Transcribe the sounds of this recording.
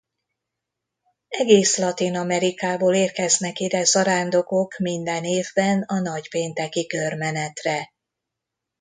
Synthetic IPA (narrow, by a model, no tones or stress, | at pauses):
ɛɡeːslɒt̪inɒmɛɾikaːboːleːrkɛznɛkid̪ɛzɒɾaːnd̪o̞ko̞kmind̪ɛneːvbɛnɒnɒcpeːnt̪ɛkikørmɛnɛt̪rɛ